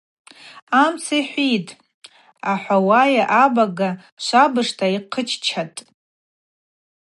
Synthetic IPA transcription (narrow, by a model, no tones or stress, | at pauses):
amt͡sʰajħʷitʼ | aħʷawajaʔabaɡa | ʃʷabɨʂtʰaiqʰət͡ʃʰt͡ʃʰatʼ